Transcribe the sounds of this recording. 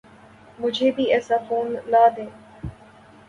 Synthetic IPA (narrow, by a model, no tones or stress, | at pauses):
mʊd͡ʒʱeːbʱiːɛːsaːfoːnlaːd̪eː